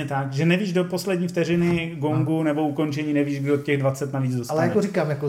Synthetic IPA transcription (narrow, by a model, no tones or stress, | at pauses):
ɛt̪akʒɛnɛviːʒdopo̞slɛdɲiːft̪ɛɾɪnɪɡoŋɡunɛbo̞uko̞nt͡ʃɛɲiːnɛviːʒɡdot̪cɛɣdvat͡sɛt̪naviːd͡zdosalɛjakoɾikaːmjako